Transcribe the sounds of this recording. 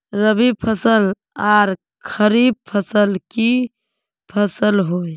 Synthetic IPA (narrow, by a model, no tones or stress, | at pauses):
ɾəbipʰəsəl | aɾ | kʰəɾib̚pʰəsəlki | pʰəsəlɦoj